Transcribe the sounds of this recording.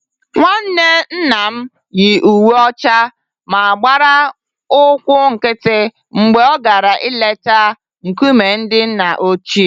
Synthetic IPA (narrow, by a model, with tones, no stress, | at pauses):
ŋʷa˦n̩˦ne˦n̩˦na˨m̩˦ | ji˨ʔu˨we˦ɔ˦t͡ʃa˦ | ma˨a˨ɡ͡ba˦ɾa˦ | ʊ˦kʷʊ˦ŋ̩˨ke˦te˦ | ŋ͡m̩˨ɡ͡be˨ɔ˦ɡa˨ɾa˨ʔɪ˦le˦ta˦ | ŋ̩˨ku˦me˨n̩˦dɪ˦n̩˦na˨ʔo˦t͡ʃi˦